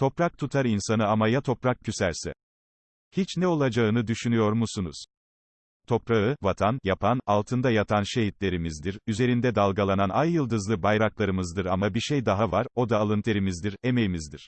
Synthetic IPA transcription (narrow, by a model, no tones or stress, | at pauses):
t̪ʰo̞pɾak̚t̪ʰut̪ʰaɾinsanɯamajat̪ʰo̞pɾak̚cʰysæɾsɛ̰ | hit͡ʃnɛo̞lˠad͡ʒaɯnɯd̪yʃynyjo̞ɾmusunuz̥ | t̪ʰo̞pɾaɯvat̪ʰanjapʰanalˠt̪ʰɯnd̪ajat̪ʰanʃe̞ɦit̪lʲe̞ɾimizd̪iɾyze̞ɾind̪ɛd̪alˠɡalˠananajːɯlˠd̪ɯzlˠɯbajɾaklˠaɾɯmɯzd̪ɯɾamabiɾʃejd̪aɦavaɾo̞d̪aːlˠɯnt̪ʰeɾimizd̪iɾe̞mejimizd̪iɾ̥